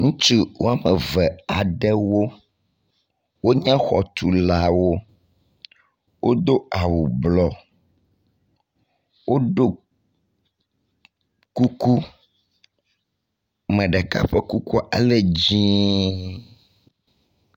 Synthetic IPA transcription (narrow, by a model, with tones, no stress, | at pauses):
ŋũ˦t͡ʃi˦wo˦a˨mɛ˨vɛ˨a˨ɖɛ˦wo˦ | wo˦ɲã˦xɔ̰˨t̪u˨la˨wo˦ | wʔo˦d̪o˦a˨wu˨blɔ˨ | wo˦ɖo˦ | ku˦ku˦ | mɛ̃˨ɖɛ˨ka̰˦ɸɛ˦ku˦ku˦a̰˦lɛ˦d͡ʑĩ˦